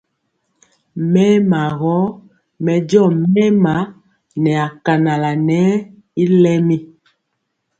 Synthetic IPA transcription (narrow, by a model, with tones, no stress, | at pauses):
mɛ˦ma˨ɣɔ˨˦ | mɛ˨d͡ʒɔ˦˨mɛ˦ma˨˦ | nɛ˨a˨ka˨na˨la˨nɛ˦ | i˦lɛ˦mi˦